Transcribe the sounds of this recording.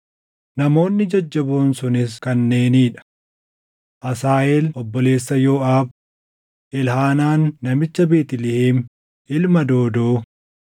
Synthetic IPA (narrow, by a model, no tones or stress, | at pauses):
nɐmo̞ːnːɪd͡ʒɐd͡ʒːɐboːnsʊnɪskɐnːe̞ːniːᶑɐ̥ | ʔɐsaːʔeːlɔbːɔle̞ːsːɐjo̞ːaːb | ʔɪlhaːnaːnːɐmɪt͡ʃːɐbeːt̪ɪlɪhiːm | ʔɪlmɐd̪o̞ːd̪oː